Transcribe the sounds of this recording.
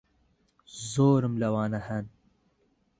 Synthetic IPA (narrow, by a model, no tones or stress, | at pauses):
zoːɾəmlɐwɑːnɐhan